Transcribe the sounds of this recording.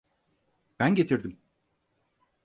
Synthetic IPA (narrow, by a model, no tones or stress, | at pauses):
b̥ænɟe̞t̪ʰiɾd̪im